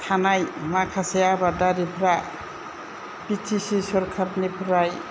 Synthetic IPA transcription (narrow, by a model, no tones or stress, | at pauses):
t̪ʰanajmakʰasejabadaɾipʰɾa | pitʰisisɔɾkʰaɾnipʰɾaj